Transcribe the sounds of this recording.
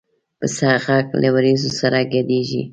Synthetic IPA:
pəsaɣaklʔawaɾizosaɾaɡad̪eʒḭ

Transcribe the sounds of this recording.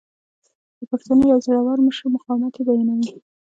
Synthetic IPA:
d̪̥əpaxt̪anojawzaɽawɑɾməʃəmʊqɑwɪmat̪ed̪ajinawi

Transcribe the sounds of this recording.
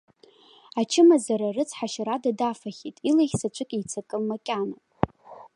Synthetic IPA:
at͡ʃʰɪmazaɾarɨt͡sʼʰħaʃaɾadadafaχʲitʼilaχʲsat͡ʃʷʼɨkʲʼijt͡sʰakʼɨlmakʲʼana

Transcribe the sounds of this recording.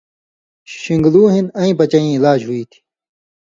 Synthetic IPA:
ɕiŋɡluːɦinɐĩːpɐt͡ɕɐĩilaːd͡ʑɦuiːt̪ʰi̥

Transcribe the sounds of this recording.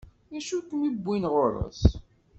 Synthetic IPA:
æʃukmibʷːinʁoɾˤo̰s

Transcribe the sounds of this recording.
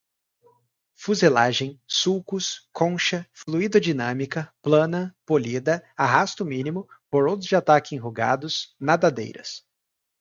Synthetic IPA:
fuzelaʒẽj̃sukʊskʰõʃɐfluid̪ɐd͡ʒinɐ̃mikɐplɐ̃nɐpolid̪ɐaɦast̪ʊmĩnimʊpoɾowt̪ʊzd͡ʒɪat̪akɪĩɦuɡa̰d̪ʊsnad̪ad̪ḛjɾɐ̰s

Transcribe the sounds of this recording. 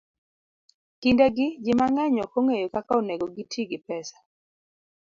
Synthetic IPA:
kindeɡɪd͡ʒɪmaŋɛɲɔkoŋejokakaoneɡoɡitʰiɡɪpɛsḁ

